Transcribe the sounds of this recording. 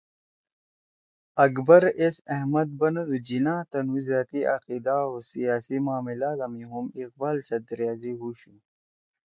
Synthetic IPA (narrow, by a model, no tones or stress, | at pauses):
ɐkbɐɾesɐɦmɐd̪̚bɐnɐd̪ud͡ʑinãːt̪ɐnwizaːt̪iʔɐ̰qid̪aosijaːsimaːmilaːzɐmiɦumiq̚baːlsɐd̪ɾjaːziɦuɕu